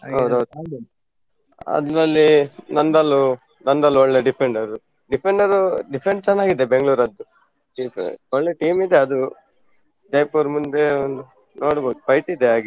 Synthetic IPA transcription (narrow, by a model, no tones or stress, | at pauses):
ɦɐwd̪ɦɐwd̪u | ɐ̰d̪ɾɐlːinɐnd̪ɐlːu | nɐnd̪ɐlːuɔɭːeɖipʰeɳɖɐɾu | ɖipʰeɳɖɐɾuɖipʰeɳst͡ʃɛnːaːɡid̪ːebeŋɡɭuːɾɐd̪ːu | ɖiɔɭleʈiːmid̪e̞ɐd̪u | d͡ʒɐjpuːɾmund̪e̞ond̪u | noːɽboːd̪upɐjʈid̪eaːɡi